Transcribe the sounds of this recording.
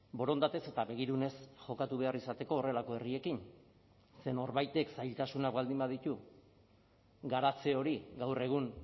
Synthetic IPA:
bo̞ɾo̞nd̪at̪e̞se̞t̪aβe̞ɣ̞iɾune̞sʝo̞kat̪uβe̞arisat̪e̞ko̞ːre̞lako̞e̞rie̞kin | se̞no̞ɾβajt̪e̞ksajlt̪asunakbald̪imbað̞it̪u | ɡaɾat͡se̞o̞ɾiɡawre̞ɣ̞un

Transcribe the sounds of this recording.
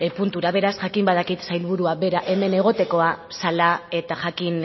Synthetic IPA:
epunt̪uɾaβe̞ɾasʝakimbað̞akit̪sajlβuɾuaβe̞ɾaʔe̞me̞ne̞ɣ̞o̞t̪e̞ko̞asalae̞t̪aʝakin

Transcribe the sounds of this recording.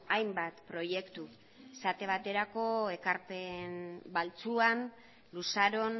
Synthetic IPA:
ajmbat̪pɾo̞je̞kt̪u | esat̪e̞β̞at̪e̞ɾako̞e̞kaɾpe̞nbalt͡suan | lusaɾo̞n

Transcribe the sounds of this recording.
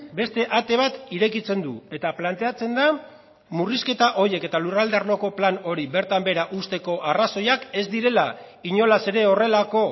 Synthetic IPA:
be̞st̪e̞ʔat̪e̞βat̪iɾe̞kit͡se̞nd̪ue̞t̪aplant̪e̞at͡se̞nd̪a | muriske̞t̪aʔo̞je̞ke̞t̪alurald̪arloko̞plano̞ɾiβe̞ɾt̪ambe̞ɾaʔust̪e̞ko̞ʔaraso̞jake̞zd̪iɾe̞laiɲo̞lase̞ɾe̞o̞re̞lako̞

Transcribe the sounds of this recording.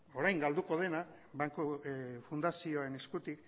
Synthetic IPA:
o̞ɾajŋɡald̪uko̞ð̞e̞na | βaŋkofund̪asioae̞ne̞skut̪ik

